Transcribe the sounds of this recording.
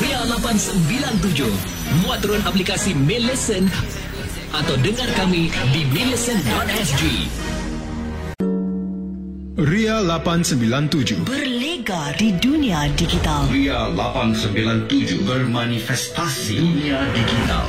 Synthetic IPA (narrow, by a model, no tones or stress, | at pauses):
rialapansəmbilant̪̬ud͡ʒʊh | muat̪ːɾuanaplikasimɛləsən | ʔat̪awdəŋarkamidimɛləsəndɔt̪̚ɛsd͡ʒi | rialapansəmbilant̪ud͡ʒʊhbərleɡadiduniadiɡit̪alrialapansəmbilant̪ud͡ʒʊ̰hbərmanifɛst̪asḭduniadiɡit̪a̰l